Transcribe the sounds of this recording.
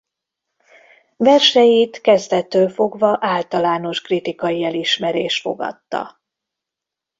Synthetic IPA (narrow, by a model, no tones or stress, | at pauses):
vɛrʃɛjit̪kɛzt̪ɛt̪ːøːlfo̞ɡvɒʔaːlt̪ɒlaːno̞ʃkrit̪ikɒjiɛliʃmɛɾeːʃt̪fo̞̰ɡɒ̰t̪ːɒ̰